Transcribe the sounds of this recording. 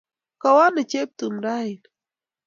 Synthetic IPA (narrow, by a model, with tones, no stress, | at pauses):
ka˨wa˦nə˨t͡ʃe˦p̚t̪umɾa˦il